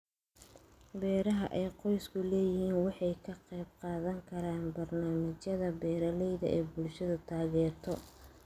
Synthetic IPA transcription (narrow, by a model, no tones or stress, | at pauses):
bɛːɾɐɦɐʔɛjqɔjskʰʊlɛːjɪhiːnwɑħɑjkʰɐqɛjb̚qɑːðɐŋkʰɐɾaːnbɐrnaːmɐt͡ʃjɐðɐbɛːɾɐlɛjðɐ̰ʔɛːbʊlʃɐðʊt̪ʰaːɣɛːrt̪ʰɔ